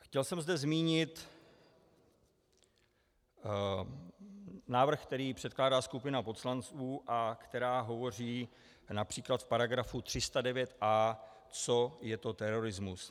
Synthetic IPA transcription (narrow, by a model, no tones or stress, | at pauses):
xcɛlsɛmzdɛzmiːɲɪt̪ | naːvr̩xk̚t̪ɛɾiːpr̥ɛt̪̚klaːdaːskupɪnapo̞t̪slant͡suːʔakt̪ɛɾaːɦo̞vo̞r̝iː | napr̝̥iːklat̪fpaɾaɡɾafut̪r̥ɪst̪adɛvjɛt̪ʔaː | t͡so̞jɛt̪o̞t̪ɛɾo̞ɾɪzmus